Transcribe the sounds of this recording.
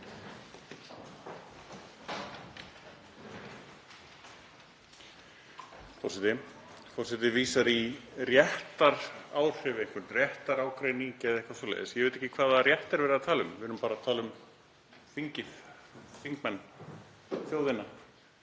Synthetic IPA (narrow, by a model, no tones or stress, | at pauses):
fɔ̰r̥sɛt̪ɪ | fɔɾ̥sɛt̪ɪviːsaɾirjɛht̪aɾaːwr̥ɛvejŋkʏɾnrjɛht̪aɾaːwkɾejniŋcɛðɛhkvasɔlḛːðɪsjɛvejt̪ɛ̥jcːɪkʰvaːðarjɛht̪ɛɾvɛːɾɪðat̪ʰaːlʏmvɪvɾnʏmpaːɾat̪ʰaːlʏm | θiɲcɪθθiŋkmɛnː | θjowðɪnːa